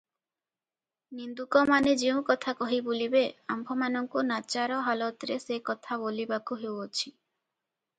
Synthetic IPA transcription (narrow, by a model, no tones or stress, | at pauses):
nind̪ukɔmaned͡ʒeũkɔt̪ʰakɔɦibulibeambʱɔmanɔŋkunat͡ʃaɾɔɦalɔt̪ɾesekɔt̪ʰaβolibakuɦewot͡ʃʰi